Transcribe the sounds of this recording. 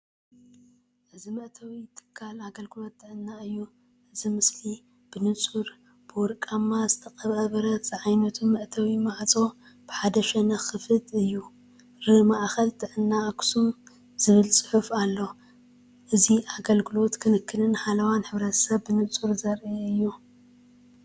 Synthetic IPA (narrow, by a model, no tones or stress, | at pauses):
ʔɨzimɐʔt̪ʰɐwit̪ʰɨ̥kʰːalaɡɐlɡɨlo̞t̪ːɨʕɨnːaɨjːu | ʔɨzimɨsli | b̥ɨnɨt͡sʼuɾ | b̥ɨwɔɾkʼamːazɨt̪ʰɐqʼɐβɐβɐɾɐt̪zɨʕajnɐt̪ʰumɐʔt̪ʰɐwimaʕt͡sʼo̞ | b̥ɨħad̪ɐʃɛnɐxɨfɨd̪ɨjːu | ɾɨmaʔxɐlt̪ʰɨʕɨnːaʔkʰʼsu | z̥ɨβɨlsʼɨ̥ħufalːo̞ | ʔɨziʔaɡɐlɡɨlo̞t̪kʰɨnɨkːɨnɨnħalɐwanħɨβɾɐt̪ʰɐ̥sɐβːɨnɨt͡sʼuɾzɐɾeɨjːu